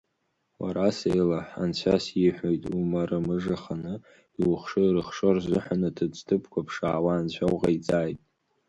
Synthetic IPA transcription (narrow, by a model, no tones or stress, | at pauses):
wa̰ɾasejlaħa̰nt͡ɕʷʰasjiħʷᶣojtʼumaɾɨmɨʐaχanɨ | iwʊχʂɨɾɨχʂorzɨħʷᶣanɨtʰɨt͡sʼtʰɨpʰkʷʰapʰʂaːwaːnt͡ɕʷʰawqʼait͡sʼaːjtʼ